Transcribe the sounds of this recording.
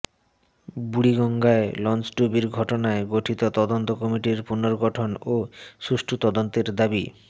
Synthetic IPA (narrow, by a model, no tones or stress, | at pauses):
buɽiɡɔŋɡaelɔnt͡ɕɖubiɾɡʱɔʈonaeɡoʈʰit̪ot̪ɔd̪ont̪okɔmiʈiɾpunoɾɡɔʈʰonoʃuʃʈʰut̪ɔd̪ont̪eɾd̪abi